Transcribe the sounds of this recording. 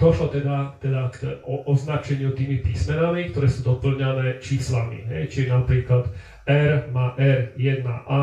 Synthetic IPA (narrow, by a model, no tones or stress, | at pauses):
d̪̥ɔʃlɔt̪ɛd̪at̪ɛd̪akʔɔʔɔznat͡ʃɛɲɪut̪iːmipismɛnamik̚t̪ɔɾɛːsuːd̪ɔpl̩ɲanɛːt͡ʃiːslamḭɦɛ̰jt͡ʃinapɾiːklad̪ | ɛɾmaːʔɛɾjɛd̪̚na̰ʔa